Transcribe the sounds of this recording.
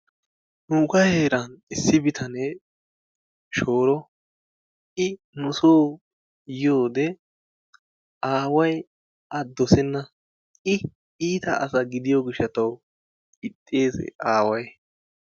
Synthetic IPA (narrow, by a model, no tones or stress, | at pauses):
nukɐjheːɾɐnɪsːɪbɪt̪ʰɐnɛ | ʃoːɾɔ | ʔɪ | nʊsoː | joːd̪ɛ | ʔaːwɐj | ɐd̪ɔsɛnːɐ | ɪ | iːt̪ɐ̰ɐ̰sɐɡɪd̪ɪjoɡɪʃːɐt̪ɐw | ɪt̪ʼːeːsɛ̰ʔaːwɐj